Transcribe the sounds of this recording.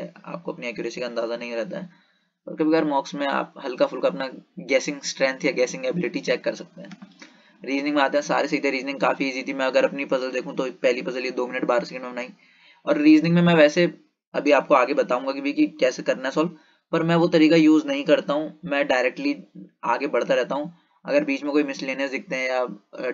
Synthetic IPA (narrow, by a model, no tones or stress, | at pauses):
ɛa̰ːp̚koɐpniɛːkjʊːɾeːsikaɐ̃nd̪aːzanɐɦĩɾɛɦt̪a̰ɦɛː | pɐɾkɐbiɡəɾmɔːksmẽa̰ːp̚ɦɐlkafʰʊlkaɐpnaɡɛːsɪ̃ŋɡsʈɾɛ̃ːnt̪ʰjaɡɛːsɪ̃ŋɡeːbɪlɪʈit͡ʃɛːkːɐɾsɐk̚t̪eɦɛ̃ː | ɾiːznɪ̃ŋmẽaːt̪ẽɦɛ̃sa̰ːɾesɐɦit̪ʰẽɾiːznɪ̃ŋɡkaːfiːzit̪ʰimɛ̃ɐɡəɾɐpnifɐzəld̪eːkʰũt̪opɛɦlipɐzəljed̪oːmɪnəʈbaːɾsɛkɛ̃ɳɖmẽmnaːĩ | ɔ̰ːɾːiːznɪ̃ŋmẽmɛ̃ʋɛːse | ɐbʱiaːp̚koaːɡebɐt̪aːɦũːŋɡakibʱikikɛːsekɐɾnaɦɛsɔːl | pɐɾmɛ̃ʋot̪ɐɾiːkajuːznɐɦĩkɐɾt̪aɦũmɛ̃ːɖaːɪɾɛːk̚ʈliaːɡebɐɽ̤t̪aɾɛɦt̪aɦũ | ɐ̰ɡəɾbiːt͡ʃmẽkoːimɪslːeːnesd̪ɪk̚ʰt̪eɦɛ̃ja